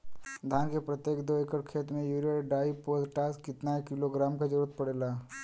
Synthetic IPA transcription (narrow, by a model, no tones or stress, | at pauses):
d̪ʱankepɾət̪jekd̪oekəɽkʰet̪mẽjuːɾijəɽɖaipozʈaskɪt̪naekɪloɡɾamkad͡ʒəɾuɾət̪̚pəɽela